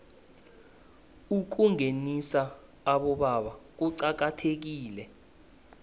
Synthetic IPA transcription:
uk̬uŋenisaː | ɓɔɓaɓak̬uǀak̬atʰek̬iːlɛ

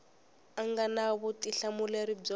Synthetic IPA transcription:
aŋɡanaβutiɬamuleɾib͡ʐɔ

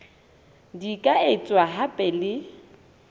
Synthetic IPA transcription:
dikʼaɪt͡sʼwaɦapʼɛlɪ

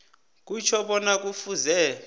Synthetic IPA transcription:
k̬ʼut͡ʃʰɔɓɔnak̬ʼufuzɛ

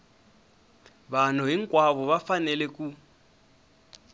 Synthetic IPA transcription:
βan̤ɔɦiŋkʼwaβɔβafanɛlɛkʼu

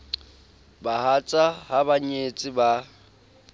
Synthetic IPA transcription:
bahat͡sʼahabaɲet͡sʼɪba

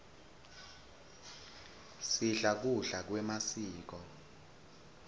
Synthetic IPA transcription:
siɬak̬uɬak̬wɛmasiːk̬ɔ

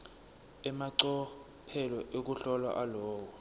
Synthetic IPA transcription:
ɛmaǀɔ | pʰɛlɔʔek̬uɬɔlwa̰ʔalɔːwɔ

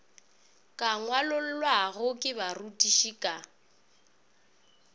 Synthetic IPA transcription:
kʼaŋwalʊl̩lwaɣʊkʼɪbarutʼiʃikʼa

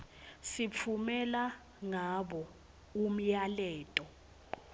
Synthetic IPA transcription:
sip̪ʰumɛla | ŋaɓɔ | um̩jalɛːtʼɔ

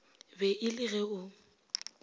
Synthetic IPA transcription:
bɛʔɪlɪɣɛʊ

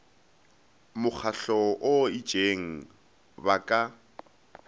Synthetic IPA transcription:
mʊk͡xʰaɬɔʔʊɪ̥d͡ʒ̥eŋ̩ | bakʼa

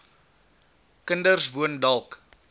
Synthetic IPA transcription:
kəndərsvuəndɐlˠk

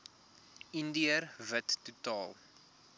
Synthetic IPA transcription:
indiərvətːutɑːlˠ

